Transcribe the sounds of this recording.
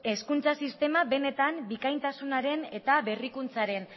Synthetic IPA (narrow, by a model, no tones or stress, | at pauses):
e̞skunt͡sasist̪e̞maβe̞ne̞t̪ambikajnt̪asunaɾe̞ne̞t̪aβe̞rikunt͡saɾe̞n